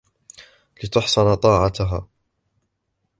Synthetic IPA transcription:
lɪt̪ʊħsˤɑnt̪ˤɑːʕat̪aɦaː

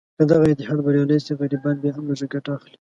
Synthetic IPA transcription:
d̪̥əd̪aɣaɪt̪ːɪhɑd̪baɾjalest̪eɣaɾibɑnbjɑɦamlaʒaɡaʈaːxli̥

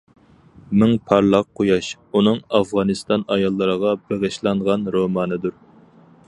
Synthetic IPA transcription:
mɪŋpʰɑɾlˠɑq̚qʰːojɑʃ | unɨŋɑfʁɑnɨst̪ɑnɑjɑlˠːəɾəʁɑbeʁəʃlˠɑɴʁɑnɾomɑːnɨd̪uɾ

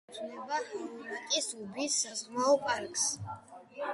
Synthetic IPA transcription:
t̪ʰnɛbalikʼisubisːazʁmaɔpʼaɾkʼs

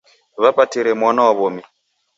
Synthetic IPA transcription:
βapatiɾɛmwanawaβɔmi

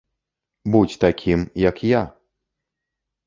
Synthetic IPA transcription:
but͡sʲt̪akʲʰimjɐkja

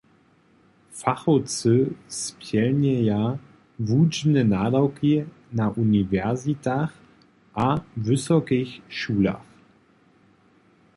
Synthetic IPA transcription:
faχɔt͡səspʰjɛlnɛja | vuːd͡ʒnənaːdawkʰi | naʔunivɛɐzitʰaχ | ʔavʏsɔkɪçʃuːla̰χ

